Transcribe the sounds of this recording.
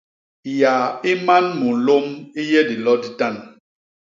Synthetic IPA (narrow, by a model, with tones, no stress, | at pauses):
ja˨i˦ma˦nmu˨lo˦mi˦jɛ˦di˨lɔ˦di˨ta˦˨n